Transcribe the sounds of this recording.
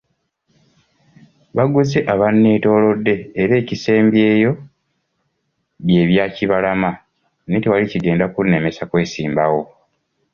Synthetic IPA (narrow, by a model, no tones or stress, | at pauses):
βaɡuzeʔaβanːeːto̞ːlo̞dːe̞ːɾe̞ːcise̞ːmbje̞ːjo̞ | βje̞ːβjaːciβalama | nitewaliciɡe̞ːndakunːe̞me̞sakwe̞ːsiːmbawo̞